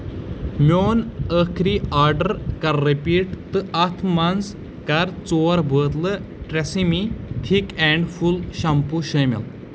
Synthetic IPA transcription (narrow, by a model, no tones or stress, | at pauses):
mʲoːnəkʰɾiːaːɾɖəɾkɐɾːepiːʈt̪ɨɐt̪ʰmɐns | kɐɾt͡soːɐɾbʱəːt̪lɨ | ʈɾesimiʈʰikɛɳɖfulɕɐmpuʃɐmḭl